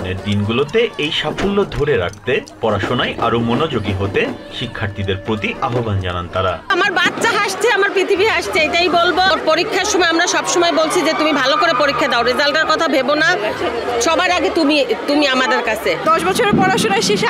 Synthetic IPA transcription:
nḛɾd̪inɡulot̪eejʃafʰolːod̪ʱoɾeɾa̰k̚ʰt̪epɔɾaʃonajʔa̰ɾomonod͡ʑoɡiɦot̪e | ʃikʰːaɾt̪id̪eɾpɾot̪iʔaɦoband͡ʑa̰nant̪aɾa̰amaɾbat̪ːʃaɦaʃt͡ɕʰeamaɾpɾit̪ʰibiɦaʃt͡ɕʰeejʈajbolboɾpoɾikʰːaɾʃɔmɔeamɾaʃɔbʃɔmɔebolt͡ɕʰid͡ʑet̪umibʱalokoɾepoɾikʰːad̪eaoɾizalʈaɾkɔt̪ʰabʱebonaʃɔbajɾaɡet̪umit̪umiamad̪eɾkat͡ɕʰed̪ɔʃbɔt͡ɕʰoɾeɾpɔɾaʃonaeʃeʃ

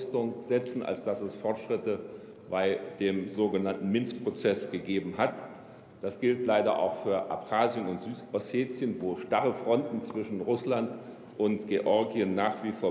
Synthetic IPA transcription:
stʊŋz̥ɛt͡sn̩a̰lsd̥asɛsfɔɐtʃʁ̥ɪtə | b̥aɪd̥eːmzoːɡənantn̩mɪnstpʁ̥ot͡sɛsɡ̥əɡeːbm̩ɦat | d̥asɡ̥ɪltlaɪɾɐ̰ʔa̰ʊxfyːɐʔa̰pχaːzjənʊntz̥yːtɔseːt͡sjənvoːʃtaʁəfʁ̥ɔntn̩t͡sv̥ɪʃn̩ʁʊslant | ʔʊntɡ̥eʔɔɐɡiənːaːχv̥iːfoːɐ

